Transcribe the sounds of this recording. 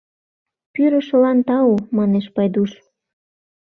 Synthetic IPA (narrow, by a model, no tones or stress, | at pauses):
pyɾə̆ʃəlɑnt̪ɑumɑneʃpɑjd̪uʃ